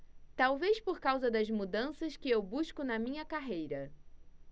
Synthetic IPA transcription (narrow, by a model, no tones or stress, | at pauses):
t̪awvespoɾkawzɐd̪ɐzmud̪ɐ̃sɐskɪewbuʃkʊnɐmĩɲɐkaɦejɾɐ